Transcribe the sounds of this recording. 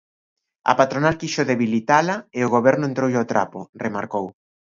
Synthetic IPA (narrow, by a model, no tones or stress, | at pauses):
ɐ̰pat̪ɾonalkiʃoðeβilit̪alaeoɣ̞oβɛɾnʊent̪ɾowʎot̪ɾa̰pʊ̰remaɾkow